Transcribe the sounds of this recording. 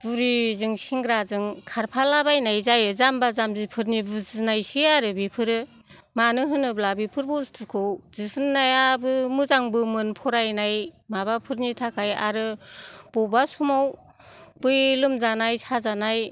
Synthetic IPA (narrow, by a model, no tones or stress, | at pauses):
buɾizɯŋsiŋɡɾazɯŋkʰaɾpʰalabajnajzajɯzambazamzipʰɯɾnibuzɯnajsɯjaɾɯbipʰɯɾɯ | manɯɦɯnɯblabipʰɯɾbɔstʰɯkʰɯwzisʰɯnːajabɯmɯzaŋbɯmɯnpʰɔɾajnajmabapʰɯɾnitʰakʰaja̰ɾɯb̥ɔbasumaw | b̥ɯjlɯmzanajsazanaj